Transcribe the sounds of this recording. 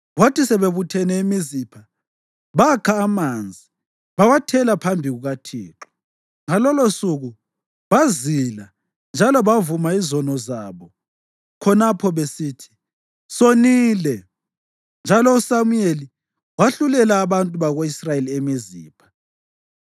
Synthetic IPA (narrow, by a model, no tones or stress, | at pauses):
watʰisɛβeβutʰɛnɛimizipʰa | βakʰaːmand͡zʱi | βawatʰɛlapʰambʱiɣuɣatʰḭːǁɔ̥ | ŋalɔlosuɣu | βazila | nd͡ʒʱalɔβavumaizɔnɔzaβɔ | kʰɔnapʰɔβesiːtʰi̥ | soniːlɛ | nd͡ʒʱalɔusamujeli | waɬulɛlaːβantʼuβaɣoisrajeliemizḭːpʰḁ